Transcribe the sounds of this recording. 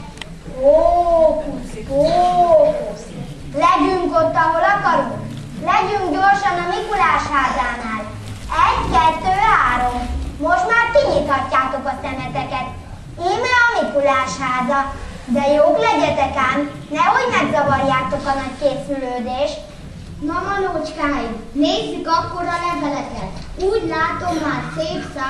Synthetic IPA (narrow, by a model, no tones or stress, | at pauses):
oː | oː | lɛɟyŋko̞t̪ːɒɦo̞lɒkɒɾu | lɛɟyŋkɟorʃɒnɒmikulaːʃhaːzaːnaːl | ɛɟkɛt̪ːøːɦaːɾo̞mːo̞ʃt̪maːrkiɲit̪hɒcːaːt̪o̞kɒsɛmɛt̪ɛkɛt̪ | eːmɛɒmikulaːʃhaːzɒ | d̪ɛjoːklɛɟɛt̪ɛkaːn | nɛhoɟmɛɡzɒvɒrjaːt̪o̞kɒnɒckeːsyløːd̪eːʃt | nɒmɒnot͡ʃkaːji | neːzːykɒkːoɾɒlɛvɛlɛk̪ɛt̪ | uːɟlaːt̪o̞mːaːrseːpsaː